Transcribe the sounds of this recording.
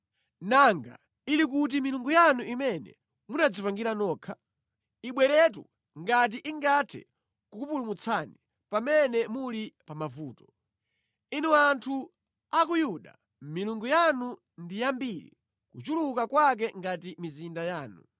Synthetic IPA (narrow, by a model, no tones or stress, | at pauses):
naŋɡa̰ | ilik̬ut̬imiluŋɡujanuʔimɛnɛ̰ | munad͡zipaŋɡiɾanɔːkʰa | iɓwɛɾɛt̬ṵ | ŋɡat̬iʔiŋɡatʰɛ̰ | kukupulumut͡sʰani | pamɛnɛmulipamavuːtɔ̥ | inuantʰu | akujuɗa̰ | miluŋɡujanu | ndijambiɾḭ | kut͡ʃulukakwak̬ɛŋɡatimizindajaːnu